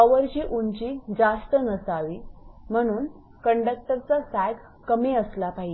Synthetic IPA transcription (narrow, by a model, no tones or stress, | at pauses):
əʋəɾt͡ɕiːʔuɲt͡ɕiːd͡zast̪ənəsaʋiːm̤əɽ̃uːn | kəɳɖək̚ʈəɾt͡sasæɡʱ | kəmeəslapaɦi